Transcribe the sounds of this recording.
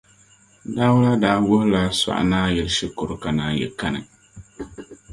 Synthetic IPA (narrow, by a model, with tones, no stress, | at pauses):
da˦wla˦daː˦wʊ˦hʊ˦la˦sa̰˨ʔa̰˨naː˦jɛ˨lʃɪ˦kʊ˨ɾʊ˨ka˨naː˦jɛ̰˨ka˦nɨ̰˨